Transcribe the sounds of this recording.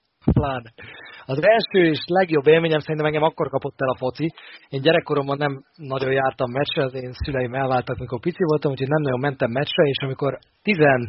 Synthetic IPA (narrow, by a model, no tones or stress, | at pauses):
plaːnɛɒzɛlʃøːeːʃlɛɡjo̞bːeːlmeːɲɛmsɛɾint̪ɛmɛŋɡɛmɒkːo̞rkɒpo̞t̪ːɛlɒfo̞t̪sieːɲɟɛɾɛkːoɾo̞mbɒnːɛmnɒɟo̞jaːrt̪ɒmːɛt͡ʃrɛzeːnsylɛjimɛlvaːlt̪ɒkmiko̞rpit̪sivo̞lt̪ɒmhucʰoɟnɛmnɒɟo̞mːɛnt̪ɛmːɛt͡ʃrɛeːʃɒmiko̞r | t̪izɛn